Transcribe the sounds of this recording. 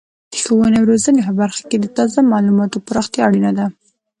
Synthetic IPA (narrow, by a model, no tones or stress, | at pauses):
d̪̥əxawənewɾozənepəbaɾxḁked̪ət̪ɑzamɑlumɑt̪opəɾɑxt̪jɑaɽinad̪a